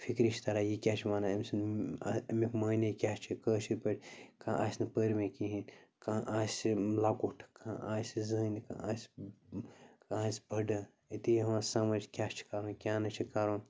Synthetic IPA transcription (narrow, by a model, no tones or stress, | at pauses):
fʰikɾiʃt̪ɐɾajikʲaːt͡ʃʰimaːnaɐmsnɐmikmɐːnɐkʲaːt͡ʃʰikəːt͡ʃʰiɾʲpɐɽʲkãːʔaːsʲnɐpəɾʲmẽkiɦinkãʔaːsʲilaːkuʈʰkãʔasʲizɐːnka̰asʲ | kasʲbʱɐɖɐ | it̪ijɐmãsɐmɐd͡ʒkʲat͡ʃʰi̥kaɾoːnkʲaːnɐt͡ʃʰikaɾoːn